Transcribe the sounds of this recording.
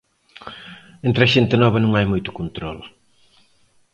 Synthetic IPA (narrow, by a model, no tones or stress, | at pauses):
ẽnt̪ɾɐʃent̪ɪnɔβɐnũŋajmojt̪ʊ̥kont̪ɾɔl